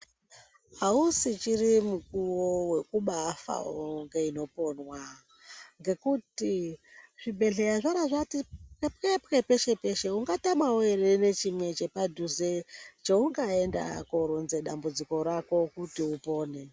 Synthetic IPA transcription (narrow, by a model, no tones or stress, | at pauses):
ausit͡ʃirimukuwowe̞kuɓafa̰ŋɡe̞ino̞po̞nwa | ŋɡe̞kutiʐ̥ibʱe̞ɮe̞jaʐaɾaʐatipkepkepkepe̞ʃe̞pe̞ʃe̞uŋɡatamaoeɾene̞t͡ʃimwe̞t͡ʃe̞padʱuzet͡ʃeuŋɡae̞nda̰koɾunze̞ɗambud͡ziko̞ɾako̞kutiupo̞ːne̞